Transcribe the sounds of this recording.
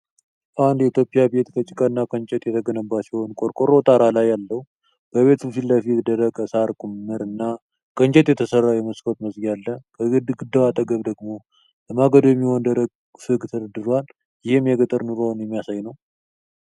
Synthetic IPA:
ʔand̪jɛit̪ʰjo̞pʼijabe̞t̪kʰət͡ʃʼɪkʼənːakʼənt͡ʃʼɛt̪ʼjɛt̪ʰəɡənəbːasiho̞nkʼoɾkʼoɾot̪ʼaɾalajːalːəhu | b̥əβe̞t̪bɨfilːəfikd̪əɾəkʼəsaɾkʼumːɨɾɨnːa | kʼənt͡ʃʼɛt̪ʼjɛt̪ʰəsərːajɛməskʰot̪məzɡjalːəkʰəɡɨd̪ːəwat̪ʼəɡəβd̪əɡmo̞ | bəmaɡəd̪jɛmːiho̞nd̪əɾəɡ̚ | fɨɡʼt̪ʰəd̪əd̪ɨɾal | jɪhemjɛɡət̪ʼəɾnuɾonjɛmːijasajnəw

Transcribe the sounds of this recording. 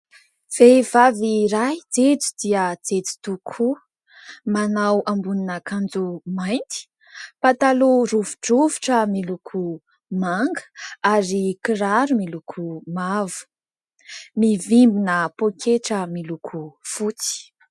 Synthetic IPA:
v̥evaviɾajd͡zet͡su̥d̪iəd͡zet͡si̥t̪ukʰu | manawambuninəkand͡zumajnt̪i̥ | pat̪aluruvuɖ͡ʐuvi̥ʈ͡ʂəmilukʰu | maŋɡə̥aɾikiɾaɾumilukʰumavu̥ | mivimbinəpokʰeʈ͡ʂəmilukʰufut͡si̥

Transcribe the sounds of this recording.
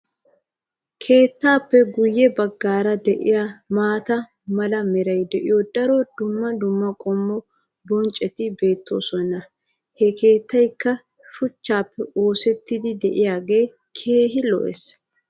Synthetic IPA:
kʰe̞ːt̪ːaːpːɛɡʊjːɛbɐɡːaːɾɐd̪ɛʔɪ̰jamaːt̪ɐ | mɐlɐmɛɾɐjd̪ɛʔɪjɔd̪ɐɾɔd̪ʊmːɐd̪ʊmːɐkʼɔmːɔ | bɔnt͡ʃʼɛt̪ɪbe̞ːt̪ːoːsɔnɐ | hɛkʰe̞ːt̪ːɐjkːɐ | ʃʊt͡ʃːaːpːɛo̞ːsɛt̪ːɪd̪ɪd̪ɛʔɪjaːɡe̞ː | kʰe̞ːɦɪlɔ̰ʔɛ̰s

